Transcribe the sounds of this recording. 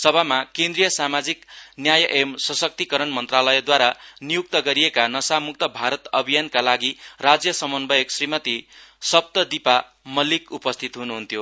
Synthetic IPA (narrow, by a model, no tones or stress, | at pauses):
sʌbʱamakẽnd̪rijʌsamad͡ziknjajʌʔemsʌsʌk̚t̪ikʌɾʌnmʌnt̪ralʌjʌd̪waɾanijuk̚t̪ʌɡʌɾijekanʌsamuk̚t̪ʌbʱaɾʌt̪ʌbʱijankalaɡirad͡zjʌsʌmʌnbʌjeksrimʌt̪isʌb̚t̪ʌd̪ipa | mʌlikupʌst̪ʰit̪ɦunuɦunt̪ʰjo